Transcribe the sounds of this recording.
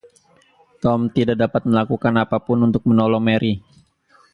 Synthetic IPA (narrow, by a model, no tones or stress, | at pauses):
t̪ɔmt̪idaʔ̚dapat̪̚məlakukanapapʊnunt̪ʊk̚mənɔlɔŋmeɾʔi